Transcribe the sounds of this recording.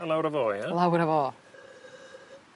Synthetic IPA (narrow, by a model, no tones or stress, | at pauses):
əlˠawɾəvoːjalawɾəvoː